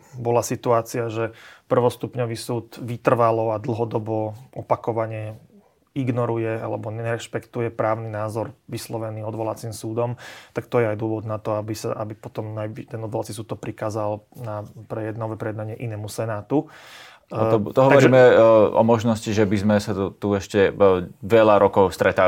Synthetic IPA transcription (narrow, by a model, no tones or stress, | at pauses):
bɔlasit̪uaːt͡siaʒɛpr̩ʋɔst̪upɲɔʋiːsuːd̪ʋit̪r̩ʋalɔad̪l̩ˠɦɔd̪ɔbɔʔɔpakɔʋaɲɛ | iɡnɔɾujɛa̰lɛbɔɲɛɾɛʃpɛkt̪ujɛpɾaːʊninaːzɔɾʋislɔʋɛniːɔd̪ʋɔlat͡simsuːd̪ɔmt̪akt̪ɔjɛajd̪ʊɔʋɔd̪nat̪ɔabisa̰ʔabipɔt̪ɔmnajʋit̪ɛnɔd̪ʋɔlat͡sisuːt̪t̪ɔpɾikaːzalnapɾɛjɛd̪naʋɛpɾɛjɛd̪naɲɪɛʔinɛːmusɛnaːt̪u | ɔt̪ɔɦɔaɔɾʒiɛmɛɔ̰mɔʒnɔsciʒɛbizmɛsatut̪uɛʃcɛʋɛʎaɾɔkɔʊst̪ɾɛt̪a